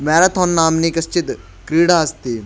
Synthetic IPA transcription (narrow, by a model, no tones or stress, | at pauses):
mɛːɾat̪ʰɔːnːaːmniːkɐst͡ʃɪt̪ | kɾiːɽaːɐst̪iː